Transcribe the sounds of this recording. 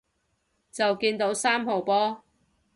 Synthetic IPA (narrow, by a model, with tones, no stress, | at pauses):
t͡sɐ˨wkiː˧nt̪o˨˥wsaː˥mho˨wpɔː˥